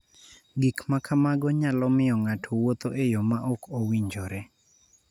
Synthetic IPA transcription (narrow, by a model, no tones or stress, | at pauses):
ɡikmakʰamaɡɔɲalɔmɪjɔŋatʰowot̪oʔejomaʔokʰowiɲd͡ʒɔɾɛ